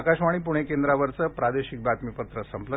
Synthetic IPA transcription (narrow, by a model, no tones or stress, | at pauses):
kaɕʋaɽ̃ipuɽ̃ekend̪ɾaʋəɾt͡səpɾad̪eɕik̚bʱat̪mipət̪ɾəsəmplə